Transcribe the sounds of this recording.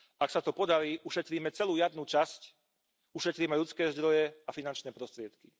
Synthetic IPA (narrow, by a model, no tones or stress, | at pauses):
ʔaksat̪ɔpɔd̪aɾiːʔuʃɛt̪ɾiːmɛt͡sɛluːjad̪nuːt͡ʃasc | uʃɛt̪ɾiːmɛʎut͡skɛːzd̪ɾɔjɛafinant͡ʃnɛːpɾɔst̪ɾɪɛt̪ki